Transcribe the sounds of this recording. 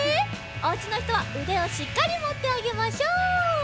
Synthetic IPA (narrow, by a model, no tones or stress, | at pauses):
ot͡ɕino̞çi̥t̪o̞βaɯ̟d̪e̞oɕikːaɾʲimo̞t̪ːe̞aɡe̞maɕoː